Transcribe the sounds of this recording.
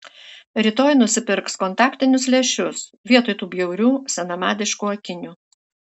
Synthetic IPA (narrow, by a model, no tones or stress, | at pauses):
ɾʲɪt̪oːjnʊsʲɪpʲɪɾkskɔnˑt̪ɑːkt̪ʲɪnʲʊs̬lʲɛʃʲʊsʋʲiɛt̪oːjt̪uːbʲjɛʊɾʲuːsʲɛnɐmɑːd̪ʲɪʃkuːɐkʲɪnʲuː